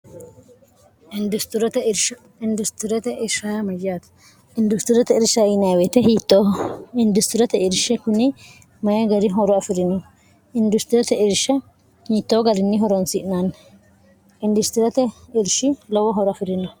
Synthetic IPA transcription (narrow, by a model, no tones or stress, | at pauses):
ɪnd̪ʊst̪ɾɐt̪ɛɾʃɐ | ɪnd̪ʊst̪ɪɾɐt̪ɛʔɪɾʃajɐmɐjaːt̪ɐ̥ | ɪnd̪ʊst̪ɪɾɐt̪ɛɪɾʃɐɪnɐjwɛt̪ɛɦiːt̪ːoːɪnd̪ʊst̪ɪɾɐt̪ɛɪɾʃɛkʊnɪ | mɐjɐɡɐɾɪɦɔɾɔɐfɪɾɪnɔ | ɪnd̪ʊst̪ɪɾɐt̪ɛɪɾʃɐ | hiːt̪ːoːɡɐɾɪnːɪɦɔɾɔnsɪʔnan | ɪnd̪ʊst̪ɪɾɐt̪ɛɪɾʃɪlɔwɔɦɔɾɔɐfɪɾɪnːɔ